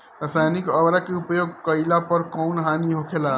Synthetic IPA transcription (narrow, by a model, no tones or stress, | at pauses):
ɾəsajnikəʋɾakeupjoɡkəilapəɾkɔːnɦaniɦokʰela